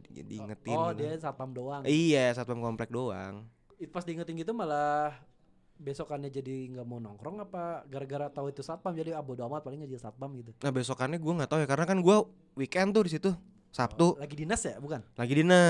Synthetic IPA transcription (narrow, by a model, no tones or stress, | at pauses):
dḭŋət̪ɪɔdiasat̪̚pamdoaŋijasat̪̚bamkɔmplɛk̚doa̰ŋ | it̪pasdiŋət̪ɪnɡit̪̬umalah | besɔkanɲad͡ʒadiŋɡamonɔŋkɾɔŋapaɡaɾaɡaɾat̪auit̪usat̪̚pamd͡ʒadiabodoamat̪̚palɪŋad͡ʒisat̪̚bamɡit̪unahbesɔkanɲaɡuaŋɡat̪aujakaɾənakanɡua | wikɛnt̪ʊdis̬it̪u | sap̚t̪ulaɡidinasjabukanlaɡidinə